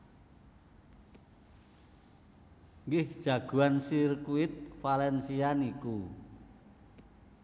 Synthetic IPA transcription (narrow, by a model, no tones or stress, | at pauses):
ŋɡɪhd̥ʒ̥a̤ɡ̥ṳansirkuɪt̪̚falɛnsianiku